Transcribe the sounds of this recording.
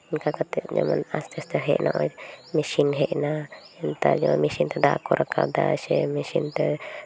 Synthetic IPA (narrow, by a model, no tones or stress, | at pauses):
nkakat̪ɛd͡ʒa̰manast̪ɛst̪aɦɛ̰ʔnʔaʔɔjmisinɦɛʔna | ɛnt̪ad͡ʒamanmisint̪ɛd̪akɔɾaka̰b̚d̪aʃɛmisint̪ɛ